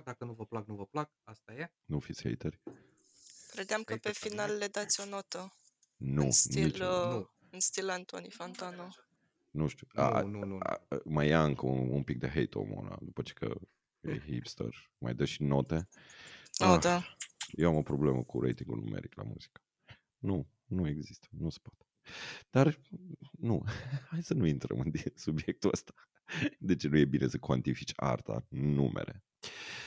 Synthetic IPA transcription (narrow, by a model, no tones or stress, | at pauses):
d̪akənuvəplak̚nuvəplak̚ast̪aje | nufit̪sʲhḛjt̪erʲ | kɾed̪eamkəpe̞finalːed̪at̪sʲo̞not̪ə | nusniil | ɨnst̪ilant̪onifant̪ano | nuʃt̪uua̰ | məjaɨŋkəuunpik̚d̪eɦḛjt̪o̰mo̰na̰d̪upət͡ʃekə̰ | ḛjɦḭpst̪ə̰r | ma̰jd̪əʃino̞t̪e | jewamo̞pɾo̞ble̞məkuɾejt̪iŋɡṵlnṵmeɾiklamṵz̥ikə̥ | nu | nue̞ɡzist̪ə̥nuse̥pat̪e̥d̪̥ar | nuhajsənuint̪ɾə̰mɨnd̪isubje̞k̚t̪uəst̪ḁ | d̪e̞t͡ʃenuje̞binʔe̞səkwant̪ifit͡ʃʲa̰rt̪a̰numʔḛɾḛ